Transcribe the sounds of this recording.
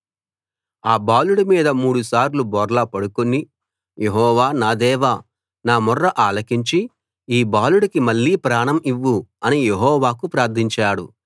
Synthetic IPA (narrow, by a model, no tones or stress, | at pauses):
aːbaːluɽɐmiːd̪ɐmuːɽusaːɾlubɔːɾlɐpɐɽukoni | jeɦɔːʋaːnaːd̪ɛːʋaː | naːmɔrːɐʔaːlɐkiɲt͡ʃi | iːbaːluɽikimɐɭːiːpɾaːɳɐmiʋːuɐnijeɦɔːʋaːkupɾaːɾt̪ʰiɲt͡ʃaːɽṵ